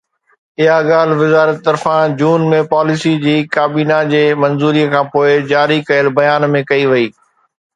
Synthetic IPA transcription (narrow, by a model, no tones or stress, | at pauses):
ɪɦaɠaːl̤ʋɪzaːɾət̪ːɐɾfãd͡ʑuːnmẽpaːlɪsid͡ʑiːkaːbiːnad͡ʑeːmɐnzuːɾiːəkʰãːpoːɪd͡ʑaːɾikɐjəlbɐjaːnmẽkɐiʋɐiː